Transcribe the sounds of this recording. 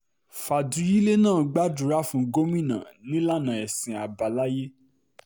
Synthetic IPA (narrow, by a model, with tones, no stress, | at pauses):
fa˨du˨˦ji˦le˦nãː˦˨ɡ͡ba˦du˨˦ɾa˦fũ˧ɡo˦mĩ˦˨nã̰˨nĩ˦la˦˨nã˨ɛ˨sĩ˨a˨ba˨la˦je˦